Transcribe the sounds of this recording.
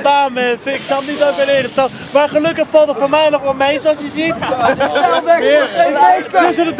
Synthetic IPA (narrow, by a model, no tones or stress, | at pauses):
baːmɛnsəɪksɑnitowkɪnəɪːχəstɛt | maːɹχəlɵkəχfɑlˠtətfoːɹmɛjnɔχʋɛlˠmejzoʊsjəsit | dəsənəd